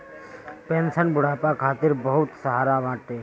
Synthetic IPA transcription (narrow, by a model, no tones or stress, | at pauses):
peːnsənbʊɽaːpakʰaːt̪ɪɾbəɦʊt̪səɦaːɾamaːʈːe